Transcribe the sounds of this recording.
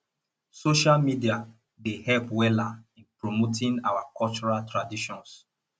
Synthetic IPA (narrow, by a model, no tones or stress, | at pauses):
soʃalmidia | dehɛlpwɛlaĩnpɹomotʰĩŋa̰wakɔlt͡ʃɔɹaltɹadiʃɔ̃ns